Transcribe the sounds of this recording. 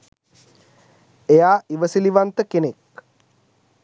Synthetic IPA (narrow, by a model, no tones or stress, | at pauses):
ejaːiʋəsiliʋant̪əkenek